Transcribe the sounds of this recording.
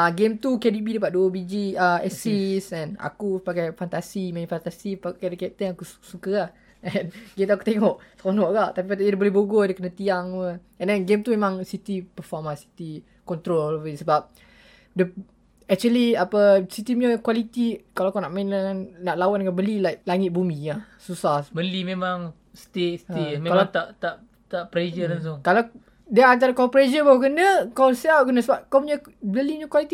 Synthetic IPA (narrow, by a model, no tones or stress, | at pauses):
aɡemt̪ukɛdibidəp̬at̪̚duəbid͡ʒiaɛsisɛna̰kupaɡajfant̪asimanifant̪asipakadəkɛt̪ənakussukəah | ɛnɡemt̪uaku̥t̪eŋɔʔskɔnɔʔɡaʔt̪apipat̪aidəbolɛhboɡodəkənət̪iaŋwə | ɛ̃ndɛnɡemt̪umemãŋsit̪ipəfɔmasi̥t̪i | kɔnt̪ɾolɔvəisəbap̚ | də | ɛk̚t͡ʃuəliapəsit̪iɲakwalit̪ikalakanaʔmainəŋanːaʔlawandəŋanbəlilajk̚laŋɪt̪̚bumĩasusahbəlimẽmãŋ | st̪eʔsimẽkalaŋt̪aʔt̪aʔ | t̪aʔpɾed͡ʒədans̬uŋkala | diaant̪̬aɾakapɾed͡ʒəbawəkənəkawseakənəsəbap̚kapuɲa | bəliɲakwalit̪i